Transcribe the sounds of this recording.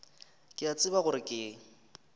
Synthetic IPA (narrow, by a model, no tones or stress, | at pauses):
kʼɪat͡sʼɪbaɣʊɾɪkʼɪːŋ̩